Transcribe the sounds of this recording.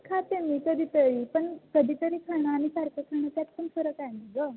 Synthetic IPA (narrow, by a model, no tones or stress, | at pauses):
kʰat̪emikəd̪ʱiːt̪əɾipəɳkəd̪ʱiːt̪əɾikʰəɳ̃aːnisaɾkəkʰəɳ̃ət̪at̪̚pənfəɾəkajməɡə